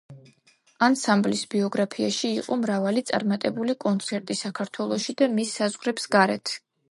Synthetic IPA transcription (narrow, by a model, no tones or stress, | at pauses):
ansamblisbiɔɡɾapʰiaʃiːqʼɔmɾavalit̪sʼa̰ɾmat̪ʼɛbulikʼɔnt̪sʰɛɾt̪ʼisakʰaɾt̪ʰwɛlˠɔʃid̪amisːazʁɾɛpsɡaɾɛ̰t̪ʰ